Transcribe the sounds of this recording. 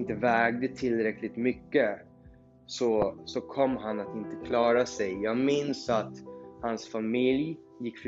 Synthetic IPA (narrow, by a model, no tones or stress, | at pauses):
nt̪əvɛːɡ̚d̪ət̪ʰɪlːɾɛkʰlɪt̪mʏkːə | sɔsɔkʰɔmːɦanat̪ɪnt̪əkʰlɑːɾasɛjjɑːɡmɪnsat̪hansfamɪlj | jɪkːf